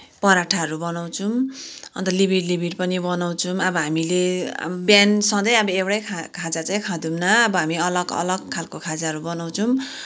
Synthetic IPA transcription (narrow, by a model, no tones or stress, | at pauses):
pʌɾaʈʰaɦʌɾubʌnaw̃t͡sʰumʌ̰nt̪ʌlibiɾlibʱiɾpʌnibʌnaw̃t͡sʰumʌbʌɦamilḛbjansʌ̃d̪ʌjabʌewɽajkʰakʰad͡zat͡sãj̃kʰãd̪umnaːbʌɦamiʌlʌɡʌ̰lʌɡkʰːalkokʰad͡zaɦʌɾubʌnaw̃t͡sʰʌm